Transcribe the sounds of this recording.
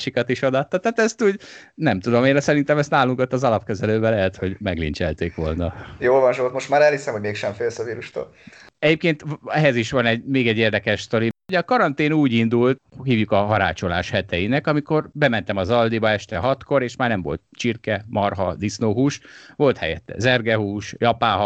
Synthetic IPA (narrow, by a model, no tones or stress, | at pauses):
ʃikɒt̪iʃod̪ɒt̪ːɒt̪aːt̪ɛst̪uːɟnɛmt̪ud̪o̞meːnɒsɛɾint̪ɛmɛst̪naːluŋkot̪ːɒzɒlɒpkɛzɛløːbɛlɛɦɛt̪ho̞ɟmɛɡlḭnt͡ʃɛlt̪eːkʋo̞̰lnɒjoːlvɒnʃolt̪mo̞ʃt̪maːɾɛlhisɛmho̞ɟmeːkʃɛɱfeːlsɒviːɾuʃt̪o̰ːl | ɛɟeːp̚keːnt̪ɛɦɛziʃʋɒnɛɟmeːɡɛɟːeːrd̪ɛkɛʃt̪o̞ɾioɟɒkɒɾɒnt̪eːnuːɟind̪ult̪hhiːvjukɒɦɒɾaːt͡ʃo̞la̰ːʃhɛt̪ɛjinɛkɒmiko̞rbɛmɛn̪t̪ɛmɒzɒld̪ibɒɛʃt̪ɛɦɒt̪ko̞ɾeːʃmaːrnɛmvo̞̰lt̪̚t͡ʃirkɛmɒrɦɒd̪isnoːɦuːʃʋo̞lt̪hɛ̰jɛt̪ːɛ̰zɛrɡɛɦuːʃjɒpaːɦɒ